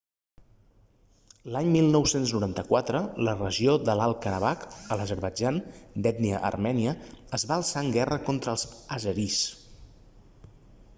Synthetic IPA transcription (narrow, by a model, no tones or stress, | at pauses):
laɲmilˠnɔwsenznuɾant̪əkwat̪ɾələrəʒioðəlalˠkəɾəβ̞akələzəɾβəd͡ʒand̪ɛt̪niəʔə̰rmɛniəːzβaːlˠsaəŋɡɛrəkont̪ɾəlˠz̥əzəɾis